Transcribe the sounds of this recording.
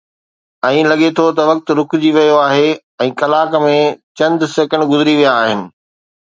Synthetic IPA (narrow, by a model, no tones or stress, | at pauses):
ɛ̃ːlɐɠet̪ʰot̪ɐʋɐk̚t̪ʊ̆ɾʊkʰʊd͡ʑiʋɐjoaːɦe | ɛ̃ːkɐlaːkmẽt͡ɕɐ̃nd̪seːkə̃ɳɖɡʊzɪɾiʋijaːɦɪnɪ̆